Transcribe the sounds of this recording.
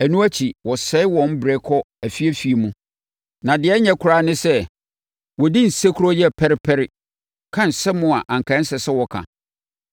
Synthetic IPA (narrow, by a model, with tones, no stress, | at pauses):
æ˨nũ˦æ˦t͡ɕʰi˨wɔ˨sɛ˨˦ɪ˦wɔ̃˨n˦bɾɛ˦kʰɔ˦ | æ˨fi˦æ˦fi˦e˨mũ˦ | nã˨dɪ˨ɛ˦ɲɛ̃˦kʰʊ˦ɾa˦˨nɪ̃˦sɛ˦ | wɔ˨dĩ˦n̩˨se˦kʰu˦ɾɔ˦jɛ˦˨pʰɛ˦ɾɪ˦pʰɛ˦ɾɪ˦ | kʰã˦n˨sɛ˦mʊ̃˦a˨ʔã˨ŋ̩˨kʰã˨˦n̩˦sɛ˨sɛ˦wɔ˨kʰã̰˨